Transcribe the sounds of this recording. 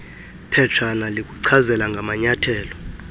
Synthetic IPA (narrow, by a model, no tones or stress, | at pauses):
pʰɛtʰanalik̬ʼuǀʰazɛlaŋɡʱamaɲatʰɛːlɔ